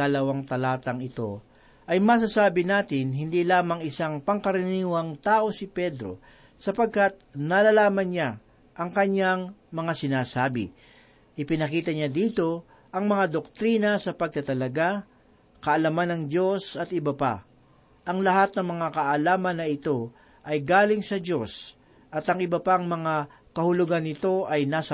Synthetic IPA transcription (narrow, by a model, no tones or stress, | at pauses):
ɐlɐwaŋt̪ɐlaːt̪ɐŋɪt̪o̞ | ʔɐjmɐs̬asaːbɪnaːt̪ɪnɦɪnd̪iːlaːmɐŋɪsaŋpɐŋkɐɾɪniːwɐŋt̪aːʔo̞sɪpɛd̪ɾo̞̰ | sɐpɐɡ̚kat̪̚nɐlɐlaːmɐnɲa | ʔɐŋkɐɲjaŋmɐŋasɪnaːsaːbɪ̰ | ʔɪpɪnɐkiːt̪ɐɲad̪iːt̪o̞ | ʔɐŋmɐŋad̪ok̚t̪ɾiːnɐsɐpɐɡ̚t̪ɐt̪ɐlɐɡa | kɐʔɐlɐmanɐŋd͡ʒo̞sɐt̪ɪbɐpa̰ | ʔɐŋlɐhat̪̚nɐŋmɐŋakɐʔɐlaːmɐnːɐɪt̪o̞ | ʔɐjɡaːlɪŋsɐd͡ʒo̞s | ʔɐt̪ɐŋɪbɐpaŋmɐŋa | kɐhʊlʊɡanːɪt̪o̞ʔɐjnaːsɐ